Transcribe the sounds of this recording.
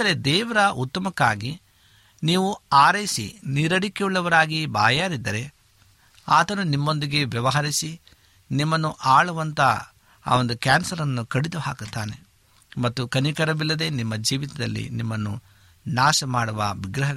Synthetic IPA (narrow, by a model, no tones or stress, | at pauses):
d̪ɐɾed̪ɛːʋɐɾɐut̪ːɐmɐkːaːɡi | niːʋuaːɾɐjisḭniːɾɐɽikeuɭːɐʋɐɾaːɡibaːjaːɾid̪ːɐɾe̞ | aːt̪ɐnunimːo̞nd̪iɡe̞ʋjɐʋɐɦɐɾisi | nimːɐnːuʔaːɭɐʋɐnt̪ɐ | a̰ːo̞nd̪ukaːnsɐɾɐnːukɐɽid̪uhaːkut̪ːaːne̞̰ | mɐt̪ːukɐnikɐɾɐbilːɐd̪e̞nimːɐd͡ʒiːʋit̪ɐd̪ɐ̰lːḭnimːɐnːṵ | naːʃɐmaːɽuʋɐ̰ʋiɡɾɐɦɐ